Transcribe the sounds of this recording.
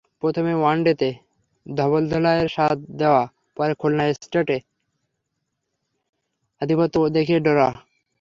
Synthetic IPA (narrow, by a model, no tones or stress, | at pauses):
pɾot̪ʰomewaɳɖet̪e | d̪ʱɔβold̪ʱɔlaeɾʃat̪̚d̪eoa | pɔɾekʰolnaesʈaʈe | ad̪ʱipot̪ːod̪ekʰeɖɔɾa